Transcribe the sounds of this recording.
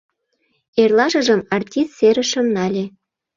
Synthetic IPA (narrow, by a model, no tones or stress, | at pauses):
erlɑʒə̆ʒəmɑrtʲist̪seɾə̆ʃə̆mnɑlʲe